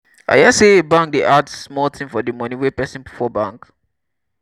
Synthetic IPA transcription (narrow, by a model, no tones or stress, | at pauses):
a̰jaseebãŋk̚deʔadsmɔltʰĩmfɔdimɔ̃nĩwepɛsĩnpfɔbãŋk